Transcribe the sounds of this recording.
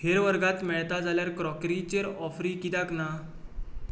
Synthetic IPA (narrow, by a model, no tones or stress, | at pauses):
ɦeɾʋəɾɡat̪mɛɭt̪ad͡zaljaɾkɾɔkɾit͡ɕeɾɔfɾiːkid̪akna